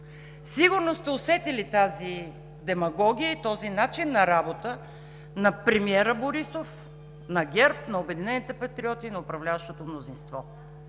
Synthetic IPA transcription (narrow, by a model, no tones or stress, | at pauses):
siɡʊɾnost̪ɛosɛt̪ilit̪azi | d̪ɛmɐɡɔɡʲijəit̪ɔzinat͡ʃinːɐɾabot̪ə | nɐpɾɛmiɛɾəboɾisof | nɐɡʲɛɾp̚nɐobɛd̪inɛnit̪ɛpɐt̪ɾiɔt̪inɐʊpɾɐvlʲavəʃt̪ot̪omnozinst̪vɔ